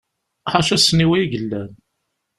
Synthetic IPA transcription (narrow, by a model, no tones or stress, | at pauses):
ħaʃæsniwiʝəlːæn